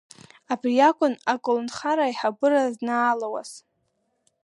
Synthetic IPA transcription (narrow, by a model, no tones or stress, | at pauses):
abriakʷʼʊnakʷʼolnχaɾaiħabɨraznaːlawa̰z̥